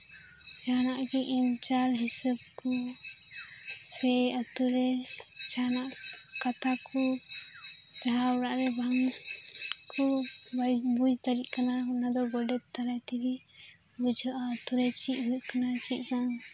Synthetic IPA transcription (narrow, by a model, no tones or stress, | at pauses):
d͡ʒaɦnaʔɡɛʔimt͡ʃalɦisəb̚kɔ | sɛət̪uɾɛd͡ʒaɦanaʔkat̪ʰakʰɔ | d͡ʒaɦabɾaʔɾɛbaŋ | kʰɔbabud͡ʒt̪aɾiʔ̪̚kanaɦunad̪ɔɡɔɖɛt̪̚t̪aɾajt̪iɡi | bud͡ʒʱɔʔat̪uɾɛt͡ʃiʔ̚ɦukanat͡ʃiʔ̪̚naŋ